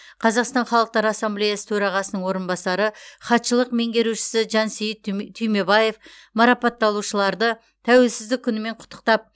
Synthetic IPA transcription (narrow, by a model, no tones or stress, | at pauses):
qʰɑzɑqst̪ɑnχɑlˠəq̚t̪ɑɾɑsːamblʲejɑsə̥t̪ʰɵɾɑʁɑsənəɴwo̞ɾənbɑsɑɾəχɑt̪ʃəlˠəqme̞ŋɡʲe̞ɾuʃɪ̥sɪʒɑnsejɪt̪ʰːyjme̞bɑje̞f | mɑɾɑpɑt̪ːɑlˠuʃəlˠɑɾd̪ə | t̪ʰæwe̞lsɪzd̪ɪkʲʰːʏnɪme̞ɴqʰʊ̥t̪ːə̥q̚t̪ɑp̚